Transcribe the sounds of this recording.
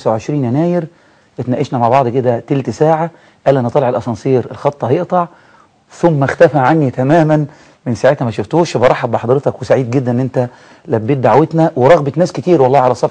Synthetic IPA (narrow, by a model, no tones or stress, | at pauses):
sawʕeʃɾiːnjænæːjɪɾ | ʔet̪næʔeʃnæmaʕbɑʕd̪ˤked̪æt̪elt̪saːʕa | ʔæːlːʔænæt̪ˤɑleʕelʔɑsˤɑnsˤiːɾelxɑt̪ˤːɑhɑjeʔt̪ˤɑʕ | θʊmːæxt̪æfæʕanːit̪æmæːmæn | mensaʕeːt̪æmæʃoft̪oːʃbɑɾˤɑħːɑb̚beħɑd̪ˤɾet̪ɑkwesaʕiːd̪ɡed̪ːænʔnːʔent̪æ | læbːiːt̪̚d̪aʕwet̪næweɾˤɑɣbet̪næːskɪt̪iːɾwɑlˤːɑːʕalæsˤɑf